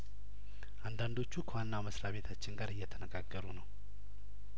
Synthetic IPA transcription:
ʔand̪and̪o̞t͡ʃːukʰəwanːaməsɾaβe̞t̪ʰat͡ʃːɪnɡaɾɨjːɛt̪ʰənəɡaɡːəɾunəw

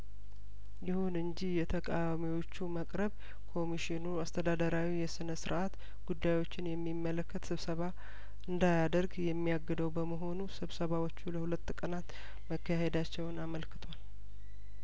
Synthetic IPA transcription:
jɪhunɨɲd͡ʒihjɛt̪ʰəkʼawamiwo̞t͡ʃːuməkʼɾəβ | kʰo̞miʃɪnuast̪ʰəd̪ad̪əɾawijɛsɨnəsɨɾʔat̪ | ɡ̥ud̪ːajwo̞t͡ʃːɪnjɛmːimːələkːət̪sɨβsəβa | ɨnd̪ajad̪əɾɡjɛmːijaɡɨd̪əwbəməɦo̞nusɨβsəβawo̞t͡ʃːuləhulət̪ːkʼənat̪ | məkːahe̞d̪at͡ʃːɛwnaməlkɨ̥t̪ʰwal

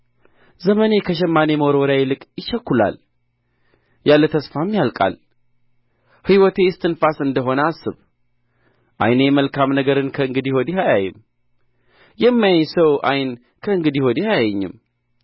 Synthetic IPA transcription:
zəməne̞kʰəʃ̬ɛmːanemoɾwɔɾjajɛlɨkʼjɪʃɛkːula̰l | jalːət̪ʰəsfamːjalkʼa̰l | hɨwɔt̪ʰe̞ɪst̪ʰɨnfasɨnd̪əɦo̞nəasːɨβ | ʔa̰jnəjɛməlkʰamnəɡəɾɨnkʰəɨŋɡɨd̪ihod̪ihajajɨm | jɛmːajaɲsəwʔajɪn | kʰəɨŋɡɨd̪ihod̪ihajajɛɲːɨ̰m

